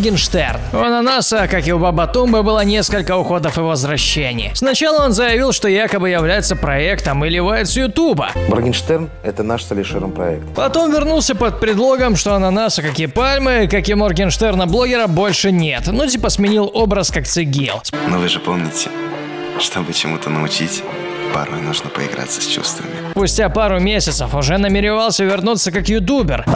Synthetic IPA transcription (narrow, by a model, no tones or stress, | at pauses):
ɡʲɪnʂt̪ɛ̰rnʊɐnanasəkakɪʊbabɐt̪umbəbɨlˠənʲe̞skəlʲkəʊxo̞d̪əfɨvəzvɾɐɕːenʲɪ̰jsnɐt͡ɕalˠəo̞nzəjɪvʲilˠʂt̪o̞jakəbɨjɪvlʲæjɪt̪səpɾɐɛkt̪əmɨlʲɪvajɪt̪səjʊt̪ubə̰morɡʲɪnʂt̪ɛrn | ɛt̪ənaʂsəlʲɪʂɨɾɨmpɾɐ̰ɛ̰k̚t̪pɐt̪o̞mvʲɪrnulˠsʲəpət̪̚pɾʲɪd̪lˠo̞ɡəmʂt̪o̞ɐnɐnasəkakʲipalʲmɨikɐkʲimorɡʲɪnʂt̪ɛrnəblˠo̞ɡʲɪɾəbo̞lʲʂɨnʲe̞t̪nut̬ʲipəsmʲɪnʲilˠo̞bɾəskakt̪sɨɡʲilˠsnovɨʐɨpomnʲɪtʲɪ | ʂt̪obɨt͡ɕɪmut̪ənəʊt͡ɕitʲ | pa̰rmənuʐnəpə̰ɪ̰ɡɾa̰t̪sːə̥sʲt͡ɕṵst̪və̰mʲɪpʊsʲtʲapaɾʊmʲesʲɪt̪səfʊʐɛnəmʲɪɾʲɪvalˠsʲəvʲɪrnut̪sːəkakjʊt̪̬ubʲɪr